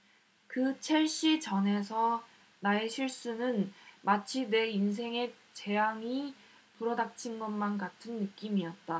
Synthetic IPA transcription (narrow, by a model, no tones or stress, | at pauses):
kɯt͡ɕʰe̞ɭɕ͈it͡ɕʌne̞sʰʌ | naeɕʰiɭs͈unɯnmat͡ɕʰine̞ins̬ʰe̞ŋe̞ | t͡ɕe̞ɦaŋi | puɾʌdak̚t͡ɕʰinɡʌnmankatʰɯnːɯk͈imiʌt̚t͈a